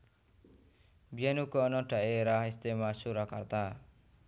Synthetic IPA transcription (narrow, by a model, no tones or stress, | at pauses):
bjanukɔnɔʈaeɾaɦist̪emasuɾaka̰ɾt̪a